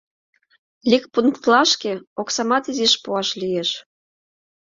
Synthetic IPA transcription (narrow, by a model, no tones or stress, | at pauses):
likpuŋkt̪lɑʃkeoksɑmɑt̪iziʃpuɑʃlijeʃ